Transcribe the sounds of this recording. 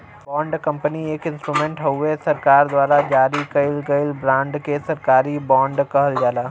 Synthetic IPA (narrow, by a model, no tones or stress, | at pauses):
bãːɳɖkɐ̃mpənieːkɪ̃nsʈɾuːmẽːɳʈɦɐuesɐɾkaːɾd̪waːɾad͡ʒaːɾikɐɪlɡɐɪlbɾãːɳɖkesɐɾkaːɾibãːɳɖkɐɦəld͡ʒaːlaː